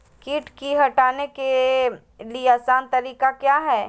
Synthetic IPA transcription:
kiːʈkiɦɐʈaːneke | lieaːsaːnt̪ɐɾiːkakjaːɦɛː

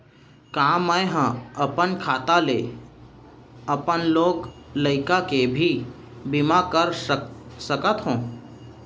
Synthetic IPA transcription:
kãmə̃ɦə̃əpənkʰaːt̪ale | əpənloːɡləɪkakebʱi | bɪmakəɾsəkət̪ɦũː

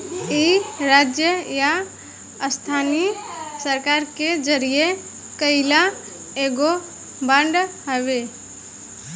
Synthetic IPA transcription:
iɾaːd͡ʒjəja | st̪ʰaːnisəɾkaːɾked͡ʒəɾije | kəɪla | eɡo | bə̃ɳɖɦəʋeː

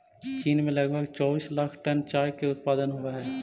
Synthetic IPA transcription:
t͡ʃiːnmẽlɐɡbʱəɡt͡ʃɔːbiːslaːkʰʈənt͡ʃaːjkeʊt̪̚paːd̪ənɦoaɦɛː

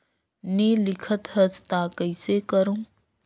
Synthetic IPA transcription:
nilɪkʰət̪ɦəst̪akəɪsekəɾũː

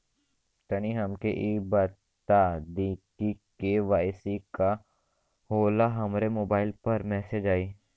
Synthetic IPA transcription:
t̪ɐniɦɐmkeʔibɐ | t̪ad̪iːkikeʋaːɪsika | hoːlaɦɐmɾemoːbaːɪlpɐɾmɛːsed͡ʒaːiː

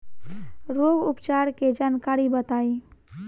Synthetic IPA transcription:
ɾoɡupt͡ʃaɾked͡ʒaːnkaɾibət̪aːi

